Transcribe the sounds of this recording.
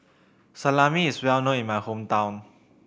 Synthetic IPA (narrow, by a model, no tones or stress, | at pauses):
salaːmiːswɛwnoimaːxʰomt̪awn